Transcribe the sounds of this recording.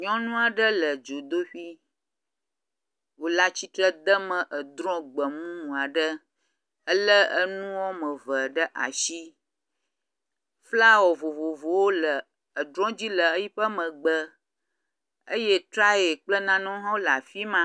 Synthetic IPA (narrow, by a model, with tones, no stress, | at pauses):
ɲɔ̃˦nũ˦a˨ɖə˦lə˨d͡ʒo˨d̪o˦ɸi˦ | wo˨la˦t͡ɕi˦t̪ɾə˦d̪ə˦mə̃˨ʔə˨d̪ɾɔ̃˦ɡ͡bə˨mũ˦nũ˨a˨ɖə˦ | ə˦lə˦ə˦nũ˦wo˦mə̃˨və˨ɖə˦ʔa̰˨ʃi˦ | fla˦wɔ˨vo˨vo˨vo˨wo˦lə˨ | ə˨d̪ɾɔ̃˦d͡ʑi˦lə˨ə˦ji˦ɸə˦mə̃˨ɡ͡bə˨ | ə̰˦je˦t̪ɾa˦e˨k͡plə˦nã˦nɔ̃˦ɦɔ̃˦la˨fi˦mã˦